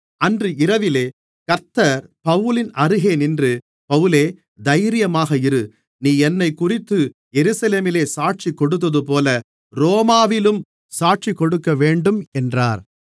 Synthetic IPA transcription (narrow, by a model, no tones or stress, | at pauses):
ɐndrɯɪɾɐʋɪleː | kɐɾt̪ːɐɾpɐʋɯlɪnɐɾɯɣeːnɪndrɯ | pɐʋɯleː | d̪ɐjɾɪjɐmaːɣɐɪɾɯ | niːɛnːɐɪkːʊrɪt̪ːɯjɛɾɯsɐleːmɪleːsaːʈ̚t͡ʃikːɔɽɯt̪̬ːɐðɯp̬oːlɐ | ɾoːmaːʋɪlɯm | saːʈ̚t͡ʃikːɔɽɯkːɐʋeːɳɖɯmɛndraːɾ